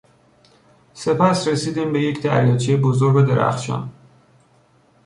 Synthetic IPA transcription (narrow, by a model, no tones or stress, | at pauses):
se̞pʰæsɾesiːd̪imbe̞jecʰd̪æ̰ɾjɒːt͡ʃʰejebozoɾɡo̞d̪e̞ɾæ̰xʃɒ̰n